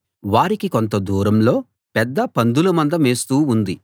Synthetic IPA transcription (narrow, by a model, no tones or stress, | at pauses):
ʋaːɾikikont̪ɐd̪uːɾɐmlo̞ː | pɛd̪ːɐpɐnd̪ulɐmɐnd̪ɐmeːst̪uːund̪i